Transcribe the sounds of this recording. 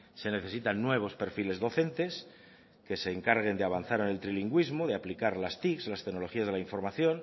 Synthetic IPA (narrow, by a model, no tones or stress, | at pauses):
se̞ne̞θe̞sit̪anːwe̞β̞o̞spe̞ɾfile̞zðo̞θe̞nt̪e̞s | ke̞se̞ːŋkaɾɣe̞nd̪eaβ̞an̟θaɾe̞ne̞lt̪ɾiliŋɡwizmoðeaplikaɾlast̪ikslast̪e̞ɡnolo̞xiazðelaiɱfo̞ɾmaθjo̞n